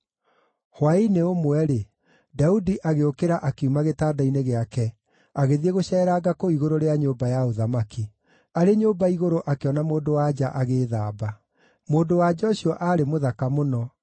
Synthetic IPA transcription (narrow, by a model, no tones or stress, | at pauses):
hwaineomwɛɾe | daudiʔaɣeokeɾaʔakeumaɣetaːdaineɣeakɛ | aɣeðieɣoɕɛːɾaːɡakoiɣoɾoɾeaɲoːbajaoðamaki | aɾeɲoːbaiɣoɾoʔakeɔnamoːndowad͡ʒaʔaɣeːðaːba | moːndowad͡ʑɔɕiɔʔaːɾemoðakamonɔ